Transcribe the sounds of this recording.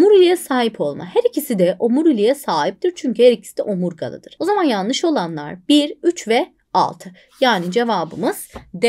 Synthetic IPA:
muɾylʲijɛsaːɦipʰo̞lˠma̰hæɾicʰisid̪ɛʔomuɾylʲijɛsaːɦip̚t̪iɾt͡ʃʰyɲcyhæɾicʰi̥i̥d̪ɛ̰ʔomuɾɡa̰lˠɯ̰d̪̥ɯɾ̥o̞zamanjalnˠlˠɯʃo̞lˠanlˠa̰ɾb̥iɾyt͡ʃvɛ | a̰lˠt̪ʰɯ | jaːnid͡ʒe̞vaːbɯ̰mɯz̥d̪

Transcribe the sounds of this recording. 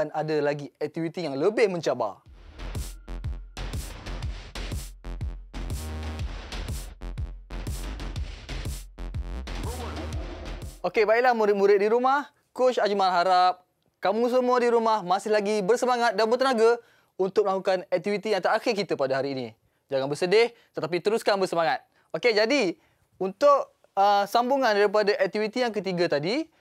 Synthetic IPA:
nadalaɡiɛk̚t̪ivit̪ijaŋləbɪhmə̃ɲt͡ʃaba̰ | okebaɪʔ̚lahmũɾɪt̪̚mũɾɪt̪̚diɾumah | kot͡ʃad͡ʒumãlɦaɾap̚ | kamũs̬əmuadiɾumahmasɪhlaɡibərsəmaŋat̪̚danbərt̪ənaɡa | unt̪ʊk̚məlakukanɛk̚t̪ivit̪ijaŋt̪aaxɪrkit̪əpadaɦaɾiːnḭ̃ | d͡ʒaŋanbərsədɪht̪ət̪ap̬it̪əɾuskanbərsəmaŋat̪̚ | oked͡ʒadi | unt̪ʊʔ | əsambuŋãndaɾip̬adaʔɛk̚t̪ivit̪ijaŋkət̪iɡat̪adi

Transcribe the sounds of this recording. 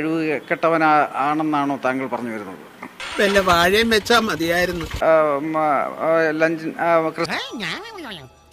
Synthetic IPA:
ɻiʋɨkeʈːɐʋɐnaːɳe̞nːaːɳo̞ːt̪aːŋɡiɭpɐrɐɲːuʋɐɾunːɐ̰ðɨ̰ʋelːɐʋaːɻijɐmʋe̞t͡ɕːaːmɐðijaːjiɾunːu | lɐɲd͡ʑinkrɨ

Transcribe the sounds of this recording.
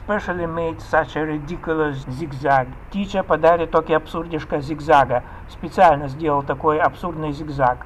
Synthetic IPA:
spɛʂəlʲɪmʲejt̪ʲsat͡ʃɐɾʲɪd̪ʲikʊlʲˠəzʲiɡzʲaɡ | tʲit͡ʃəpɐd̪aɾʲɪt̪ːokʲɪɐpsurdʲɪʂkəzʲɪɡzaɡɐ | spʲɪt̪sɨalʲnəzʲdʲelˠəlˠt̪ɐkojɐpsurd̪nɨjzʲɪɡzak

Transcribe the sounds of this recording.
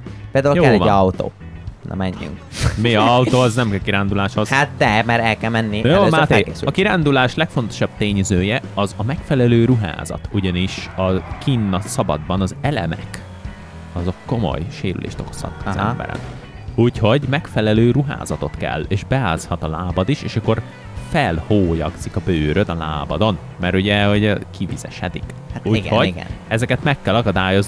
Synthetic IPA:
peːld̪auljoːɛvɒɒwt̪o̰ː | nɔ̰mɛɲːy̰ŋkmiɒɒwt̪oːɒznɛmɛkiɾaːnd̪ulaːʃhozhat̪̚d̪ɛmɛɾɛlkɛlmɛnːijoːmat̪eːɡesɒkiɾaːnd̪ulaːʃlɛkfo̞nt̪o̞̥ʃɒb̥t̪eːɲzøːjɛɒzɒmɛkfɛlɛløːɾuɦa̰ːzɒ̰t̪uɟɒniʃɒkiːnːɒsɒbɒ̰d̪bɒnɒzɛlɛ̰mɛk | ɒzokːo̞mo̰jʃeːɾy̰lʔḛːʃt̪o̞̰ko̥shɒ̰t̪ːzɛ̰mbɛ̰ɾɛ̰n | ucho̞ɟmɛkfɛlɛløːɾuɦa̰ːzɒt̪o̞t̪kɛ̰lːeːʒbɛaːshɒt̪ɒlaːbɒd̪iʃeːʃɒkːo̞r | fɛlhoːjɒ̰ksikɒbøːɾød̪ɒla̰ːbɒd̪o̞n | mɛɾuɟɛoɟkivizɛ̰ʃɛ̰d̪ikhat̪uɡho̞ɟɡ̰ɛzɛkɛt̪mɛkːɛlɒkɒd̪aːjo̞z

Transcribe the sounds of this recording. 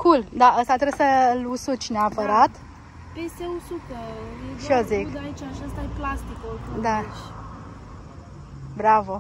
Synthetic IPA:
kʰuld̪aʔəst̪at̪ɾebsəlusut͡ʃʲneapəɾat̪ | peseusupeeʃiozikd̪ait͡ʃaʃast̪ajeplast̪ikod̪at͡ʃ | bɾavo

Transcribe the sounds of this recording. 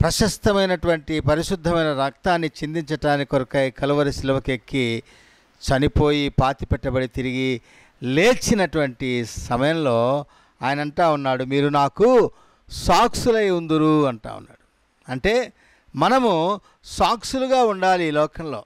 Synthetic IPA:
pɾɐʃɐst̪ɐmɐjnɐʈuʋɐɳʈipɐɾiʃud̪ʱːɐmɐjnɐɾɐk̚t̪aːnːit͡ʃind̪iɲt͡ʃɐʈaːnikɔɾɐkɐjkɐluʋɐɾisiluʋɐkekːi | t͡ʃɐnipo̞ːjipaːt̪ipɛʈːɐbɐɽit̪iɾiɡi | le̞ːt͡ʃːinɐʈuʋɐɳʈisɐmɐjɐmlo̞ː | aːjɐnɐɐɳʈaːunːaːɽumiːɾunaːku | saːksulɐjund̪uɾuɐɳʈa̰ːṵnːa̰ːɽu | ɐɳʈe̞ː | mɐnɐmu | saːksuluɡaːuɳɖaːliːlɔːkɐmlo̞̰ː

